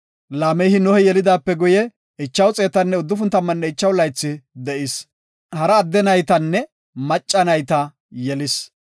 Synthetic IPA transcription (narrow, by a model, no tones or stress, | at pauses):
laːmɛjhɪnɔhɛjɛlɪd̪aːpːɛɡʊjɛ | ɪt͡ʃːɐwt͡sʼe̞ːt̪ɐnːɛʊd̪ːʊfʊnt̪ːɐmːɐnːɛɪt͡ʃːɐwlɐjt͡sːɪd̪ɛʔɪs | hɐɾɐːd̪ːɛnɐjt̪ɐnːɛ | mɐt͡ʃʼːɐnɐjt̪ɐ | jɛlɪs